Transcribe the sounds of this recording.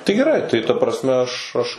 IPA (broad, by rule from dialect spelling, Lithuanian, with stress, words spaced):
tɐɪ ɡʲɛˈrɐɪ tɐɪ tɐ prɐsʲˈmʲɛ ˈɐʃ ˈɐʃ